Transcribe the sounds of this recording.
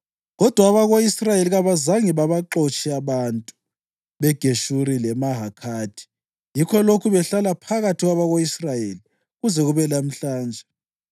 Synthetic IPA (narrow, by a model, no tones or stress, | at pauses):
ɣɔd̥ʱwaːβaɣoisrajeliɣaβazaŋiβaβaǁot͡ʃʼiaβantʼu | βɛɡ̥ʱeʃuɾilɛmaɦakʰaːd̥ʰʱi̥ | jikʰɔlokʰuβɛɬalapʰaɣatʰiɣwaβaɣoisrajeli | ɣuzɛɣuβɛlam̩ɬaːnd͡ʒʱɛ